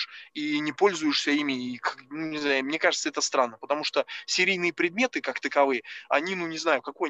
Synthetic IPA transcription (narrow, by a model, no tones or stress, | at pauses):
ʂinʲɪpo̞lʲzʊjɪʂsʲəimʲɪːkanunʲɪznajmnʲe̞kaʐɨt̪səɛt̪əst̪ɾanːəpət̪ɐmuʂt̪osʲɪɾʲijnɨjəpɾʲɪd̪mʲe̞t̪ɨkakt̪əkɐvɨjəɐ̰nʲinunʲɪznajʊkɐko̞j